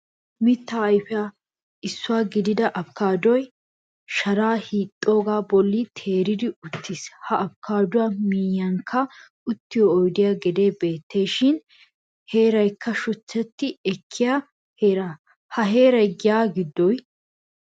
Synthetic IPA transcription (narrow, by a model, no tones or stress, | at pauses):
mɪt̪ːaːjfɪa | ɪsːʊwaːɡɪd̪ɪd̪ɐʔɐpkaːd̪ɔj | ʃɐɾaːhiːt̪ʼːoːɡaːbɔlːit̪ʰe̞ːɾɪd̪ɪʊt̪ʰːishɐʔɐpkʰaːd̪ʊwaːmiːjːɐŋkʰːɐ | ʊt̪ːɪjɔːjd̪ɪjaːɡɛd̪e̞ːbe̞ːt̪ːe̞ːʃɪn | he̞ːɾɐjkʰːɐʃʊt͡sːɛt̪ːɪɛkʰːɪjaː | heːɾaː | hɐɦe̞ːɾɐjɡɪjaːɡɪd̪ːɔj